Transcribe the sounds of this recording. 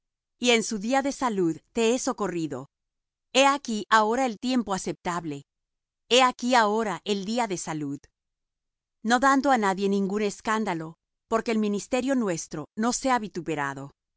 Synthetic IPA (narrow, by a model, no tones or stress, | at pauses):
ie̞nsuðiaðe̞saluðt̪e̞eso̞ko̞riðo̞̰ | e̞akiʔao̞ɾae̞lt̪je̞mpoase̞p̚t̪aβle̞ | e̞akiao̞ɾaʔe̞ld̪iaðe̞saluð | no̞ðand̪o̞anaðje̞nĩŋɡune̞skand̪alo̞ | po̞ɾke̞ːlmĩnist̪e̞ɾjo̞nwe̞st̪ɾo̞no̞se̞aβit̪upe̞ɾa̰ðo̞